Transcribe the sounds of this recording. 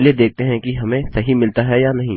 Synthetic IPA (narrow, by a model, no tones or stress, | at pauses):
lied̪eːk̚ʰt̪eɦɛ̃kiɦɐmẽsɐɦimɪlt̪aɦɛjanɐɦĩ